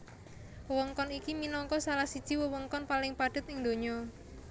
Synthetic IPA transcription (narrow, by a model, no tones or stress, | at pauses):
wəwɔŋkɔnikiminɔŋkɔsalahsid̥ʒ̥i̤wəwɔŋkɔnpalɪŋpaɖ̥ʊ̤t̪̚ɪŋd̪o̤ɲɔ